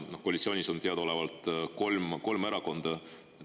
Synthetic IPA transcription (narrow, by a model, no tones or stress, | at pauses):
nohkoːlitsio̞nʲiso̞nt̪eɑd̪̥o̞levɑlt̪ˑko̞lmko̞lmeɾɑko̞nd̪̥ɑ